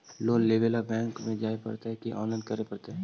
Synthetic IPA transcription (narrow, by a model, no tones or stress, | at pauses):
loːɡleːʋeːlabɛ̃ːŋkmẽd͡ʒaːepɐ̰ɾt̪aɦɛkiʔɔ̰̃ːnlaːɪnkəɾepɐɽt̪eɦɛ